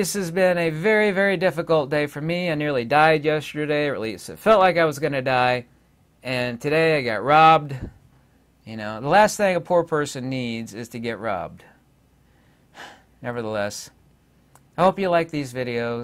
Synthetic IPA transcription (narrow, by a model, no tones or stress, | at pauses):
ɪshɨzbɪ̃nɨvɛɹivɛɹidɪfɨkl̩ˠt̚d̥eɪfə˞miaɪnɪɹlˠidaɪdjɛstə˞ɾeɪəʔˡlistɨ̰tfɛlˠtˡlaɪkaɪwʌzɡʌnɨdaɪ | ɨ̃ntʰɨɾeɪaɪɡɑ̰t̚ɹɑb̚d | jɨnoʊðəlæst̪̚θɪ̃ŋəpʰuɹpʰɜ˞sɨ̃nːidzɪz̥tʰɨɡɛʔ̚ɹɑ̰b̚d̥ | nɛvə˞ðəlɛs | aɪhoʊpjɨlaɪk̚ðizvɪɾioʊ